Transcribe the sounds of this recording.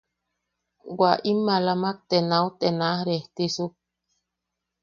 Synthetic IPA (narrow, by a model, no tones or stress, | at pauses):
waʔimːalamak̚t̪enawt̪enahɾeht̪isu